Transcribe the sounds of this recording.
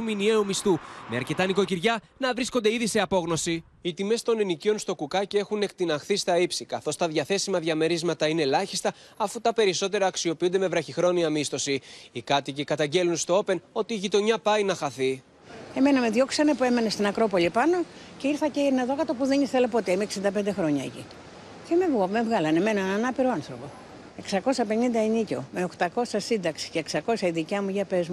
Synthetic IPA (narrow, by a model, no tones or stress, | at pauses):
uminie̞umist̪umeɐɾce̞t̪ɐnikociɾʝɐnɐvɾisko̞nd̪e̞iðise̞ɐpo̞ɣno̞si | it̪ime̞st̪o̞nenicio̞nst̪o̞kukɐce̞xune̞kt̪inɐxθist̪ɐipsikɐθo̞st̪ɐðʝɐθe̞simɐðʝɐme̞ɾizmɐt̪ɐine̞lɐçi̥st̪ɐ | ɐfut̪ɐpe̞ɾiso̞t̪e̞ɾɐːksio̞piund̪e̞me̞vɾɐçixɾo̞niɐmist̪o̞siikɐt̪icikɐt̪ɐɲɟe̞lunst̪o̞o̞pe̞no̞t̪iːʝit̪o̞ɲɐpɐinɐxɐθi | e̞me̞nɐme̞ðʝo̞ksɐnepue̞me̞nest̪inɐkɾo̞po̞lipɐno̞ceiɾθɐcenɐðo̞kɐt̪opuðenisθelepo̞t̪eime̞ksind̪ɐp̬e̞nd̪exɾo̞ɲɐḛcḭ | ceme̞vɣome̞vɣɐlɐne̞me̞nɐnɐnɐpiɾoɐnθɾo̞po̞ | e̞ksɐko̞sɐpe̞nind̪ɐenico̞̰me̞okt̪ɐko̞sɐsind̪ɐksi̥ce̞ːksɐko̞sɐiðicɐmuʝɐpe̞zmu